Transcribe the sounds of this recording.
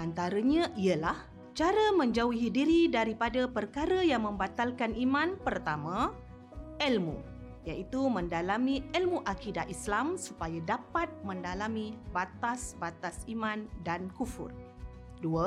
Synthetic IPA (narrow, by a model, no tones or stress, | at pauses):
ant̪aɾəɲãʔiəlah | t͡ʃaɾəmə̃ɲd͡ʒauɦidiɾidaɾipadapərkaɾəjaŋmə̃mbat̪alkanʔimãnpərt̪amã | ɛlmṵ | jaʔit̪umə̃ndalamĩɛlmuʔakidatislamsupajadapat̪̚mə̃ndalamĩbat̪asbat̪asimãndankufṵr | duə